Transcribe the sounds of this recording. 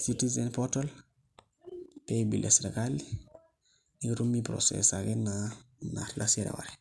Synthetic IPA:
sitizenpotal | pebilʔesɾekali | niɾumːipɾo̰sḛsaɡena | na̰ɾlasiɾa̰wa̰ɾe

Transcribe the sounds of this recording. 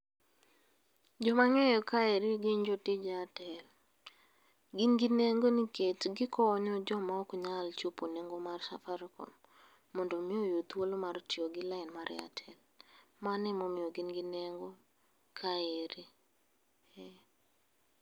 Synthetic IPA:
d͡ʒɔmaŋɛjɔkaeɾiɡɪɲd͡ʒotɪd͡ʒatɛl | ɡinɡineŋɡoniketɡɪkʰɔɲɔd͡ʒɔmaɔkɲalt͡ʃuponeŋɡomarsafaɾkɔ̰n | mɔndomɪojot̪wolomartɪoɡɪlaɪnmaɾʔɪ̰a̰tʰɛl | manɛmomɪɔɡɪnɡineŋɡo | kʰaeɾi | ɛ

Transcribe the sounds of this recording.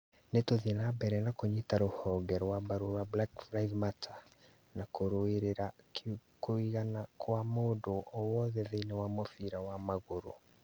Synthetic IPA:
netoðienabɛɾɛnakoɲetaɾohɔːɡɛɾwabaɾoɾablakfɾaiðmatʰa | nakoɾoeɾeɾakkoiɣanakʰwamodoʔɔwɔðɛðeinewamofiɾawamaɣoɾo̰

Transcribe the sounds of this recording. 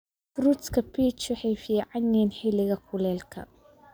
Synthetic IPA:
trut̪skʰɐpʰiːt͡ʃwɑħɑjfiːʕɑnɛːnħɪlɪɣɐkʰʊlɛːlkʰɐ̰

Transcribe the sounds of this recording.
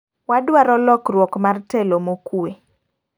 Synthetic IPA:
wadwaɾɔlɔkrwɔkmartɛlomokue

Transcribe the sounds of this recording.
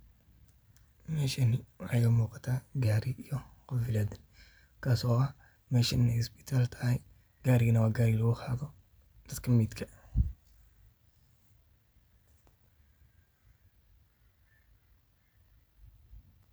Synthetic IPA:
mɛːʃɐnɪwħajɛmuːqɑ̥t̪ʰaːɡaːɾɪijɔqɑfɪlɐd̪ɪn | kʰaːsɔːɐh | mɛːʃɐnɪnɛjspɪ̥t̪ʰaːlt̪ʰɐ̥hɛj | ɡ̥aːɾɪɣɐnɐwaːɡaːɾɪlɐɣuqʰaːðɔ | d̪̥ɐd̪kʰɐmiːd̪kʰɐ

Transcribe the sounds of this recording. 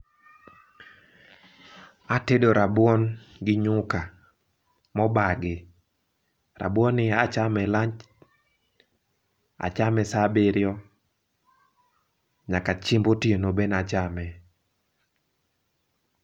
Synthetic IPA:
atedoɾabwɔnɡɪɲʊka | mɔbaɡɪ | ra̰bɔnɪat͡ʃamɛlaɲt͡ʃ | a̰t͡ʃamɛsabɪɾjɔ | ɲakat͡ʃimbotienobenat͡ʃamɛ

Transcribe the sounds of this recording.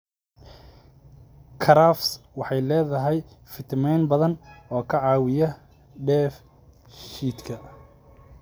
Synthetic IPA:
kʰɐɾafswɑħɑjlɛːðɐɦɛjfɪt̪ʰmɛjnbɐðɐnɔːkʰɐʕɑːwɪjɐ | ɖɛːf | ʃiːd̪kʰɐ

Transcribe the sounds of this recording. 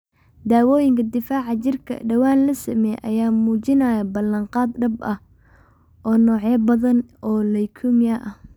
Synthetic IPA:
d̪aːwɔːjɪŋkʰɐd̪ɪfaːʕɑt͡ʃɪrkʰɐ̰ɖɐwaːnlɐsɐmɛjʔɐ̰jaːmuːt͡ʃɪnɐjɐbɐlɐɴqɑːd̪ɖɐbɐh | ʔɔːnɔːʕɛːbɐðɐnɔːlɐjkʰʊmjɐʔɐ

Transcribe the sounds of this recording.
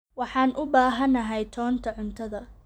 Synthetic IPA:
wɑħɑːnʔʊbaːɦɐnɐɦɛjt̪ʰɔːnt̪ʰɐʕʊnt̪ʰɐðɐ

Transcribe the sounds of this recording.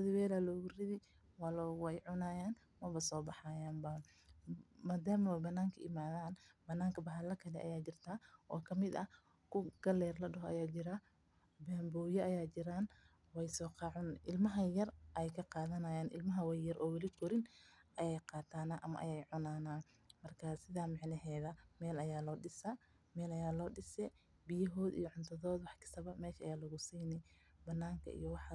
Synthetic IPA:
ɐðɪwɛːlɐːlɔːɣʊrɪðɪ | wɑːlɔːwɛjʕʊnaːjaːn | mɐbɐsɔːbɑħaːjaːnbɐ | maːd̪aːmɐwɛjbɐnːaːŋkʰɐʔɪmaːðaːnbɐnːaːŋkʰɐbɐħɐlɐkʰɐlɛʔɐ̰jaːt͡ʃɪrt̪ʰaːʔɔːkʰɐmɪd̪ɐ | kʰʊɡ̥ɐlɛːrlɐɖɐɦɔʔɐ̰jaːt͡ʃɪɾa | bɛːmbɔːjɔɐjaːt͡ʃɪɾaːn | wɛjsɔːqɑʕʊnʔɪlmɐɦɐjɐrʔɛjkʰɐqɑːðɐnɐjaːnʔɪ̰lmɐɦɐwɛjjɐɾʔɔːwɪlɪtʊɾɪnʔɐjɛjqɑːt̪ʰaːnaʔɐmɐ̰ʔɐ̰jɛjʕʊnaːnaː | mɐrkʰaːsɪðamɑʕnɐɦɛːðɐmɛːlɐjaːlɔːɖɪsɐ | mɛːlɐjaːlɔːɖɪsɛː | bɪjɐɦɔːd̪ḭjɔʕʊnt̪ʰɐðɔːd̪wɑħkʰɪ̥sɐβɐmɛːʃɐʔɐ̰jaːlɐɣʊsiːnɛj | bɐnːaːŋkʰɐ̰ʔḭjɔwɑħ

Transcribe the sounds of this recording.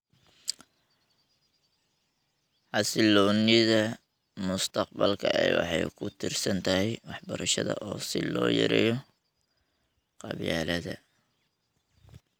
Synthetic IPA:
ħɑsɪlɔːnɪðɐ | mʊst̪ʰɑq̚bɐlkʰɐɛjwɑ̰ħɑjkʰʊt̪ʰɪrsɐnt̪ʰɐɦɛjwɑħbɐɾɐʃɐðɐʔɔːsɪlɔːjɛ̰ɾɛjɔ | qɑβjaːlɐðɐ

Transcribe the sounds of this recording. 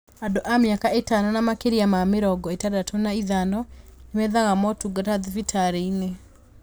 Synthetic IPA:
adoʔamjakaetanɔnamakeɾiamameɾɔɡɔetadatɔnaiðanɔnemɛðaɣamɔtuɡataðivitʰaɾeine

